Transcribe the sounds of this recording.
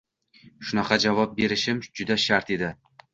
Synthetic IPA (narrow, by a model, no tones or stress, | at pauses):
ʃʊnɑqʰɑd͡ʒavɒp̚be̞ɾɪʃɪmd͡ʒʊd̪aʃaɾt̪e̞d̪ɪ